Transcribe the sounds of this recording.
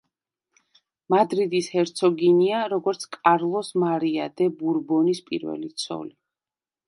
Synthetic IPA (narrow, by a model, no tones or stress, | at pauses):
mad̪ɾid̪ishɛɾt̪sʰɔɡiniaɾɔɡɔɾt̪sʰkʼaɾlˠɔsmaɾiad̪ɛbuɾbɔnispʼḭɾvɛ̰lit̪sʰɔ̰li